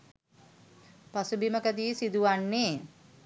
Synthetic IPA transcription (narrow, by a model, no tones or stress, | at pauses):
pasubiməkəd̪iːsid̪uʋanːeː